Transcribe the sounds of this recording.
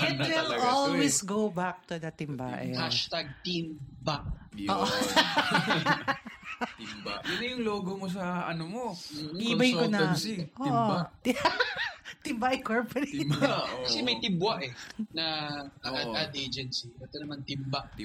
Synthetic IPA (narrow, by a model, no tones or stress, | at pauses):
ʔɛt̪wɪlʔolwisɡowbak̚t̪ʊd̪ɐt̪ɪmba̰ʔɛ̰haʃt̪aɡ̚t̪imbaoːʔo | bjʊnːɐjʊŋloːɡomos̬ɐʔɐnomobɐkonɐsiʔoʔo | t̪ɪmbaʔɛkoɹpɔɾikɐsɛmɐjt̪ɪmbwaʔɛnɐɐʔɐad̪ʔed͡ʒɛnsibɛt̪onɐmant̪ɪmbaʔ